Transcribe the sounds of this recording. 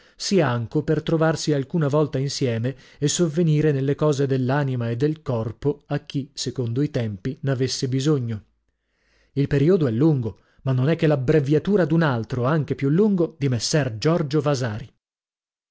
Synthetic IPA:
siaŋkopert̪ɾovarsialkuːnavɔlt̪ainsjɛːmeː | sːovːeniːɾenelːekɔːzed̪elːaːnimaed̪ːelkɔrpoakːisekond̪oit̪ɛmpinavesːebizoɲːo | ilpeɾiod̪oɛlːuŋɡo | manːonɛkːelabɾevjat̪uːɾad̪unalt̪ɾoaŋk̟epjulːuŋɡod̪imesːɛrd͡ʒɔrd͡ʒovazaːɾi

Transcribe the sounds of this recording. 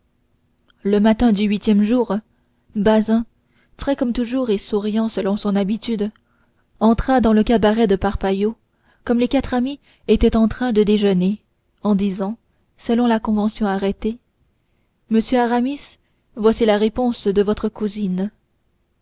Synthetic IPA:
ləmat̪ɛ̃d̪yɥit̪jɛmʒuːʁ | bazɛ̃ | fχɛkɔmt̪uʒuːʁesuʁjɑ̃səlɔ̃sɔ̃nabit̪yd̪ | ɑ̃t̪χad̪ɑ̃ləkabaʁɛd̪əpaʁpajo | kɔmlekat̪χami | et̪ɛt̪ɑ̃t̪χɛ̃d̪əd̪eʒəne | ɑ̃d̪izɑ̃ | səlɔ̃lakɔ̃vɑ̃sjɔ̃aʁɛt̪e | məsjøaʁamis | vwasilaʁepɔ̃sd̪əvɔt̪χəkuzin

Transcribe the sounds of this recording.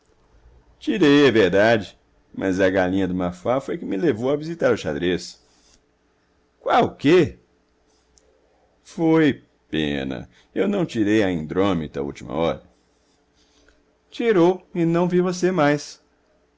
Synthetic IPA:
t͡ʃiɾejɛveɾd̪ad͡ʒɪ | mʔɐ̰zɐɡalĩɲɐd̪ʊmafafojkɪmɪlevowɐvizit̪aɾʊʃa̰d̪ɾes | kwawʊke | foj | pḛ̃nɐ̰ | ewnɐ̃w̃t͡ʃiɾejɐĩnd̪ɾõmḭt̪ɐ̰ṵwt͡ʃimɐ̰ɔɾɐ | t͡ʃiɾowɪnɐ̃w̃vivosemajs

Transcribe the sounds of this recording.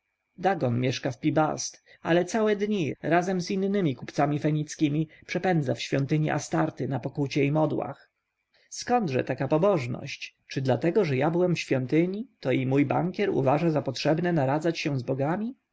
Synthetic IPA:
d̪aɡɔnmʲjɛʂkafpʲiba̰st̪ | a̰lɛt̪sawɛd̪ɲiɾazɛmzinːɘmʲikupt̪samʲifɛɲit̪skʲimʲipʂɛpɛnd̪zafɕfʲjɔnt̪ɘɲiʔa̰st̪aɾt̪ɘnapɔkut͡ɕɛimɔd̪wa̰x | skɔnd̪ʐɛ̰t̪akapɔbɔʐnɔ̰ɕt͡ɕt͡ʂɘd̪lat̪ɛɡɔʐɛjabɘwɛmfɕfʲjɔnt̪ɘɲit̪ɔimujba̰ŋkʲɛɾṵvaʐazapɔtʂɛbnɛnaɾad̪zat͡ɕɕɛ̃zbɔɡamʲi

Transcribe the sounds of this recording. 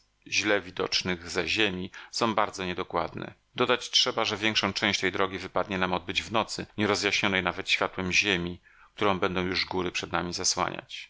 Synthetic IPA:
ʑlɛvʲid̪ɔ̰t͡ʂnɘɣzaʑemʲisɔ̃w̃baɾd̪zɔɲɛd̪ɔkwa̰d̪nɛ̰ | d̪ɔd̪at͡ɕtʂɛbaʐɛvʲjɛŋkʂɔ̃w̃t͡ʂɛ̃w̃ɕt͡ɕt̪ɛjd̪ɾɔɡʲivɘpad̪̚ɲɛnamɔd̪̚bɘd͡ʑvnɔt̪sɘɲɛɾɔzjaɕɲɔnɛjnavɛt̪ɕfʲjat̪wɛmʑemʲi | k̚t̪uɾɔ̃w̃bɛnd̪ɔ̃w̃juʐɡuɾɘpʂɛd̪namʲizaswa̰ɲʔa̰t͡ɕ

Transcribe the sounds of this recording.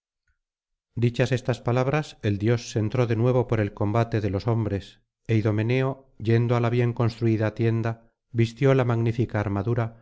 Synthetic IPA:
d̪it͡ʃase̞st̪aspalaβɾase̞ld̪jo̞sːe̞nt̪ɾo̞ðe̞nwe̞β̞o̞po̞ɾe̞lko̞mbat̪e̞ðe̞lo̞so̞mbɾe̞s | e̞iðo̞me̞ne̞o̞ | je̞nd̪oalaβje̞ŋko̞nst̪ɾuiðat̪je̞nd̪a | βist̪jo̞lamaɣnifikaːɾmaðuɾa

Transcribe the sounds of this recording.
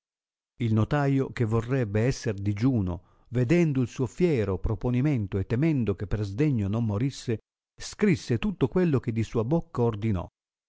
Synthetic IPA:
ilnot̪aːjok̟evːorːɛbːeɛsːerd̪id͡ʒuːno̰ | ved̪ɛnd̪oilsuːofjɛːɾopɾoponimɛnt̪oɛt̪ːɛmɛnd̪ok̟epːerzd̪ɛɲːonomːoɾisːe | skɾisːet̪ut̪ːokwelːok̟ed̪ːisuːabokːaord̪inɔ̰

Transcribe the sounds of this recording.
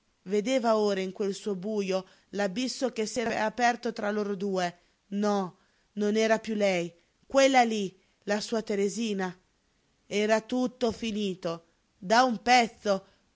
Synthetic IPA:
ved̪eːvaoːɾaiŋkwelsuːobuːjo | labisːokesːɛːɾaɛ̰apɛrt̪ot̪ɾaloːɾod̪uːe | nɔ | nonɛːɾapjulɛj | kwelːali | lasuːat̪eɾeziːna | ɛːɾat̪ut̪ːofiniːt̪o | d̪aumpɛt̪sːo

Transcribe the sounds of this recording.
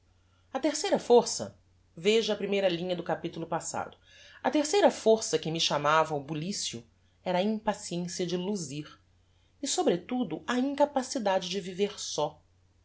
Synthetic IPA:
ɐt̪eɾsejɾɐfoɾsɐ̰ | veʒɐɐpɾimejɾɐlĩɲɐd̪ʊkapit̪ulʊpasa̰d̪ʊ | ɐt̪eɾsejɾɐfoɾsɐkɪmɪʃamavɐwbulisjʊ̰ | ɛɾɐĩpasiẽsiɐd͡ʒɪluziɾ | ɪsobɾet̪ud̪ʊʔɐĩŋkapasid̪ad͡ʒɪd͡ʒɪviveɾsɔ

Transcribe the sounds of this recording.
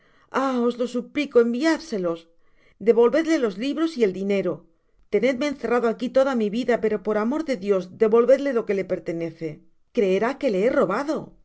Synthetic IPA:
ao̞zlo̞suplikoembiaðse̞lo̞s | d̪e̞βo̞lβe̞ðle̞lo̞zliβɾo̞sie̞ld̪ine̞ɾo | t̪e̞ne̞ðmeːnθe̞raðoakit̪o̞ðamiβiðape̞ɾo̞po̞ɾamo̞ɾðe̞ðjo̞zd̪e̞βo̞lβe̞ðle̞lo̞ke̞le̞pe̞ɾt̪e̞ne̞θe̞ | kɾe̞ɾake̞le̞ero̞βaðo̞

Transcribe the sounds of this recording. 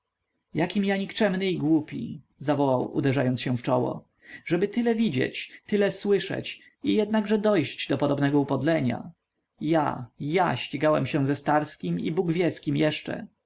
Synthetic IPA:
jakʲimjaɲikt͡ʂɛmnɘiɡwupʲḭ | zavɔwawṵd̪ɛʐajɔnt̪ɕɛ̃ft͡ʂɔwɔ̰ | ʐɛbɘt̪ɘlɛvʲid͡ʑɛ̰t͡ɕt̪ɘlɛswɘʂɛ̰t͡ɕ | ijɛd̪̚naɡʐɛd̪ɔjɕd͡ʑd̪ɔpɔd̪ɔbnɛɡɔupɔd̪lɛɲa̰ | ja̰jaɕt͡ɕiɡawɛmɕɛw̃zɛst̪aɾskʲimḭbuɡvʲjɛskʲimjɛʂt͡ʂɛ̰

